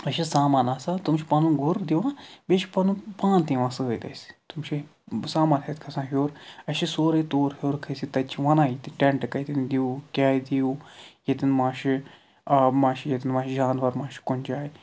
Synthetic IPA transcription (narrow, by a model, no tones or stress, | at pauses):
ɐʃisaːmaːnaːsat̪umt͡ʃʰipɐnũɡʊɾd̪iʋãːbeːʃʰi̥pɐnũːpãːnt̪ĩʋãːsɨəjd̪ɐ̰si̥t̪umt͡ʃʰi | saːmaːnhɐt̪kʰɐsãːɦjoːɾɐʃisoːɾɐt̪oːɾhjoːɾkʰɐsit̪ɐt͡ʃʰiʋɐnãːjit̪iʈeɳʈkɐjt̪ind̪iuːkʲaːd̪iuːjet̪inmãːʃi | ɐmãːʃijet̪inmãːʃid͡ʒaːnʋɐɾmãːʃi̥kʊnd͡ʒaːji